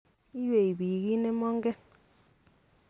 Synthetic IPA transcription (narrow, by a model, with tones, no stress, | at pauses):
i˦we˨i˨bi˨ki˦ne˦mɔ˦ŋɡɛ˦